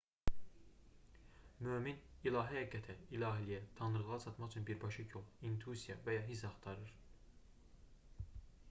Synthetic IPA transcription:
møːminilˠɑːɦihæɡːæt̪ʰæilˠɑːɦilijæt̪ʰɑnɯɾɯʁɑt͡ʃʰɑt̪mɑχt͡ʃʰynbiɾbɑʃɯcʰolˠint̪ʰusijɑvæjɑɦis̬ɑχt̪ʰɑɾɯɾ

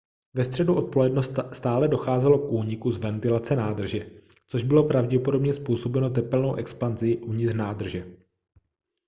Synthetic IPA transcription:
vɛst̪r̝̥ɛduʔo̞t̪̚po̞lɛdnost̪st̪aːlɛdo̞xaːzɛlo̞kʔuːɲɪkuzvɛnt̪ɪlat͡sɛnaːd̪r̩ʒɛt͡so̞ʒbɪlo̞pɾavɟɛpo̞do̞bɲɛspuːso̞bɛno̞t̪̬ɛpɛlno̞wʔɛkspanzɪʔuɲɪznaːd̪r̩ʒɛ

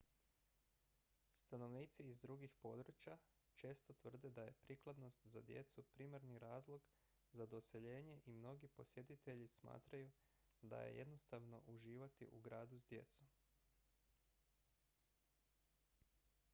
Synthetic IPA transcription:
st̪ano̞ʋniːt̪siːzd̪ɾuɡixpo̞d̪ɾut͡ɕja | t͡ʃe̞ːst̪o̞t̪ʋr̩d̪e̞d̪aje̞pɾiklˠad̪no̞st̪zad̪je̞̰t̪supɾiːmaɾniɾaːzlˠo̞ɡ | zad̪ose̞ʎe̞ːɲe̞ʔimno̞ɡipo̞sje̞t̪it̪e̞ʎisma̰ːt̪ɾaju | d̪a̰jḛjed̪no̞st̪aʋno̞̰ʔuʒiːʋat̪ḭʔuɡɾaːd̪uzd̪je̞̰t̪som

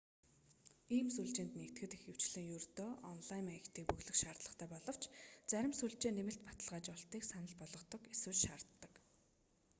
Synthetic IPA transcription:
iːmsuɮt͡ɕeːnt̪nekt̪ɡɘ̆t̪ixɘ̆w̥t͡ɕɮɘ̆ŋjɵrt̪oːʔɔnɮajmixʲt̪ʰiːk̚pɵɣɮɵ̆kʃaːrt̪ɮə̆χt̪ʰæːpɔɮɞ̆w̥t͡ɕt͡sæɾʲɪ̆msuɬt͡ɕeːnemɘ̆ɬt̪pḁt̪ə̆ɮʁaːt͡ɕɔɬt̪iːksanə̆ɮpɔɮɞ̆qt̪ɞ̆keswɘ̆ɮʃaːrt̪ːə̆k

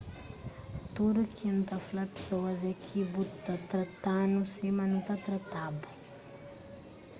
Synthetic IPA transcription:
t̪uɾukʰint̪afulapi̥soazakʰibut̪t̪at̪rat̪anusimanut̪at̪rat̪abu̥

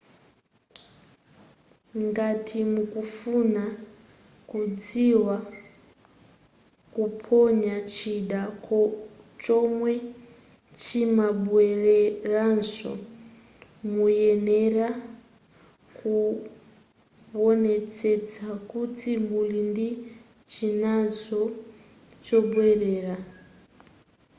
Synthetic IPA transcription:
ŋɡatʰimukufuna | kud͡ziwa | kupʰɔɲat͡ʃʰiɗa | t͡ʃɔmwɛ | t͡ʃʰimaɓuɛreɾansɔ̰ | mujɛnɛɾa | ku | ɔnɛt͡sɛt͡sakutʰimbulindi | t͡ʃʰinazɔ | t͡ʃɔɓwɛɾɛːɾa

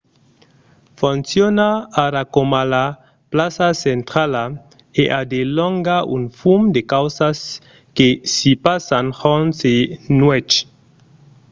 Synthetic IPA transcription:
font͡sjonaːɾakomala | plasasentɾala | eʔadelɔŋɡaʔunfumdekawsas | kesipasanhɔnsenwɛt͡ʃ

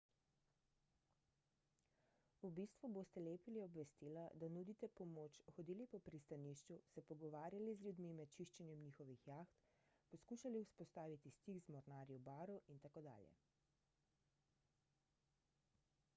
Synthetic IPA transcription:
ubiːst̪ʋuboːst̪ɛleːpiliɔbʋɛst̪ilad̪anud̪it̪ɛpɔmoːt͡ʃxɔd̪iːlipɔpɾist̪aniːʃt͡ʃusɛpɔɡɔʋaːɾjalizlʲjud̪mimɛt̪t͡ʃiʃt͡ʃɛnjɛmniːxɔʋixjaːxt̪ | pɔskuːʃaliuspɔst̪aːʋit̪ist̪iɡzmɔɾnaːɾjɔbaːɾuʔint̪akoːd̪a̰ːljɛ̰

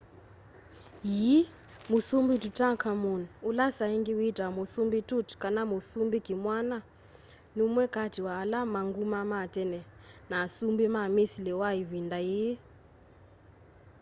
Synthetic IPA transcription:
ɦi | musumbitutʼakʰamunulasaiŋɡiwidʱamusumbitʼutkʼanamusumbiɡimwana | numwɛkʼadʱiwaːlamaŋɡumamatʼɛnɛnaːsumbimamisilɛwaɦiβindaji

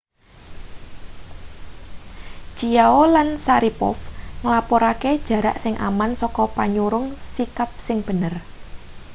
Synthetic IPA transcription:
d͡ʒ̥ijaolansaɾipɔ̰fŋəlapɔɾaked̥ʒ̥ä̤ɾaʔsɪŋʔa̰mansɔkɔpaɲuɾʊŋsikap̚sɪŋb̥ə̤nər

